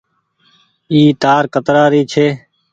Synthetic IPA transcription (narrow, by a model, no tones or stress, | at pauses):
iːt̪aːɾkət̪ɾaːɾiːt͡ʃʰeː